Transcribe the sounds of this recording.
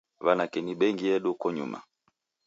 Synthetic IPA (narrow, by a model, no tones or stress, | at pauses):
βanakɛniɓɛŋɡiɛɗukɔɲṵma̰